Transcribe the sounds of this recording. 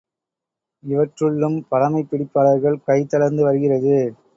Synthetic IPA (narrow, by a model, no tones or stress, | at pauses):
ɪʋɐʈrɯɭːɯmpɐɽɐmɐɪpːɪɽɪpːaːɭɐɾɣɐɭkɐɪt̪ːɐɽɐɾnd̪ɯʋɐɾɯɣɪrɐðɯ